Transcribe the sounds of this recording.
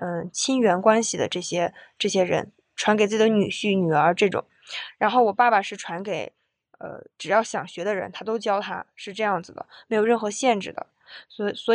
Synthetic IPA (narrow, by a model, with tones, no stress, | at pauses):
ə˥˧t͡ɕʰi˥nɥɛ˧˥nkwa˥nɕi˨d̪ə̰˩ʈ͡ʂɤ˥˩ɕjɛ˥ʈ͡ʂɤ˥˩ɕjɛ˥ɻə̰˧˥n | ʈ͡ʂʰwa˧˥nke˨˩t͡s̩˥˩i˨˩ə˦ny˨˩ɕy˥˩ny˨˩ə˞˧˥ʈ͡ʂɤ˥˩ʈ͡ʂʊ̰˨˩˦ŋɻa˧˥nxo˥˩ʊwɔ˨˩pa˥˩ba˩ʂɻ̩˥˩ʈ͡ʂʰwa˧˥nke˨˩˦ɪ | ə̰˧ʈ͡ʂɻ̩˨˩jɑ˥˩ʊɕjɑ˨˩ŋɕɥɛ˧˥d̪ə˧ɻə̰˧˥nt̪ʰa˥t̪o˥ʊt͡ɕjɑ˥ʊt̪ʰa̰˥ʂɻ̩˥˧ʈ͡ʂɤ˥˧jɑ˥˩ŋd͡zɹ̩˩d̪ə̰˩me˧˥ɪjo˨˩ʊɻə˥˩nxɤ˧˥ɕjɛ˥˧nʈ͡ʂɻ̩˥˩d̪ə̰˩ | sɔ˧˥swɔ˧˥